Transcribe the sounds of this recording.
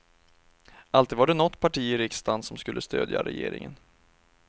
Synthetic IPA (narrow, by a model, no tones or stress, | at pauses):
ʔalt̪iːd̪vaɖɛnɔt̪ːpʰaʈiːəɾɪkst̪ansːɔmskɵlːəst̪øːd̪ja̰ɾɛjeːɾɪ̰ŋən